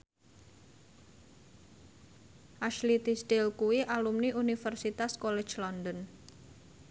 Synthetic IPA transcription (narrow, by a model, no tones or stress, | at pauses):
ʔaʃlit̪isʈ̪ɪlkuwiʔalumniʔunifərsit̪askolɛd̥d͡ʒlɔndən